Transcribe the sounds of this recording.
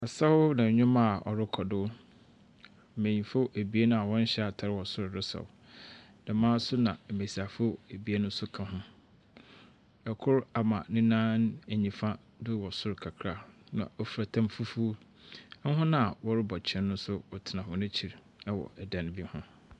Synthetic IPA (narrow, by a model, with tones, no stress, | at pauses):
a˨sa˦ʊ˦nã˨ɲᶣʊ̃˦mã˦˨ɔ̰˨ɾɪ˦kʰɔ˨dʊ˦ | m̩˨mẽ˨ɲĩ˨fo˦ʔæ˨bi˨˦e˦nʊ̃˦a˨wɔ̃˦n̩˦ɕɛ˦a˨tʰa˨ɾɪ˦wɔ˨sʊ˦ɾɾɪ˦sɔ̰˨w | dã˨mãː˦sʊ˦nã˨me˨sa˨fo˦æ˨bi˨e˦nʊ̃˦sʊ˦kʰã˨ɦʊ̃˦ | ɛ˨kʰʊ˦ɾa˨mã˨nɪ̃˦nãː˦næ˨ɲĩ˨fã˦ | dʊ˦wɔ˨sʊ˦ɾkʰa˨kʰɾa˦˨nã̰˨ɔ˨fɾa˨tʰã˦mfu˦fu˦ | ɦʊ̃˦nã˦a˨wɔ˦ɾɪ˦bɔ˨t͡ɕʰɛ̃˦nːʊ̃˦sʊ˦ɔ˨tʰɪ˨nã˨hʊ̃˦nɪ̃˦t͡ɕʰi˨ɾ | ɛ˦wɔ̰˨ɛ˨dɛ̃˨n˦bi˦hʊ̃˦